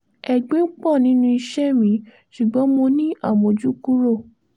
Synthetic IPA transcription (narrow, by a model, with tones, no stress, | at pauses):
ɛ˨ɡ͡bẽ˦k͡pɔ˦˨nĩ˨˦nũ˧i˧ʃɛ˦mĩ˨˦ | ʃu˨ɡ͡bɔ̃˨˦mo˧nĩ˦a˦˨mõ˨d͡ʒu˦ku˦ɾo˦˨